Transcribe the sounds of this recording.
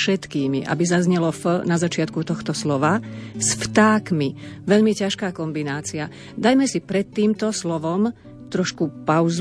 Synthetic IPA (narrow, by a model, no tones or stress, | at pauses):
ʃɛt̪kiːmiʔa̰bizazɲɛlɔfnazat͡ʃɪat̪̚kut̪ɔxt̪ɔslɔʋasft̪aːkmiʋɛʎmicaʃkaːkɔmbinaːt͡sia | d̪ajmɛsipɾɛt̪ːiːmt̪ɔslɔʋɔm | t̪ɾɔʃkupaʊz